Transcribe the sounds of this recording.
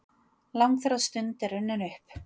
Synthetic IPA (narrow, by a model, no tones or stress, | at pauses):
lawŋkfɛɾast̪ʏnt̪ɛɾʏnːʏnʏhp